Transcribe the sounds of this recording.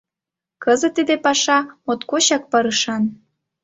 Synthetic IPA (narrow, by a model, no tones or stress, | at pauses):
kəzə̆t̪ːid̪epɑʃɑmot̪koɕɑk̚pɑɾɯʃɑn